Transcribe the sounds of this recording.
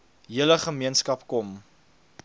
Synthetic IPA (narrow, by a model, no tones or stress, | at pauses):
ɦiələχəmiənskɐpkɔm